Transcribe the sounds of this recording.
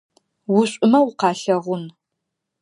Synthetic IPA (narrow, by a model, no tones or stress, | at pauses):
wʊɕʷʼʊmɐwʊqɑːɬɐʁʷʊn